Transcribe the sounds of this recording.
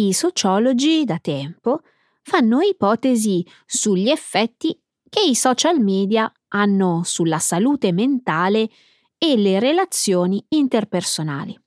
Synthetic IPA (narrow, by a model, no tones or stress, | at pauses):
isot͡ʃɔːlod͡ʒid̪at̪ɛmpo | fanːoipɔːt̪ezi | suʎːiefːɛt̪ːi | k̟eisɔt͡ʃalmɛːd̪ja | anːosulːasaluːt̪ement̪aːleː | leɾelat̪sːjoːniint̪erpersona̰ːli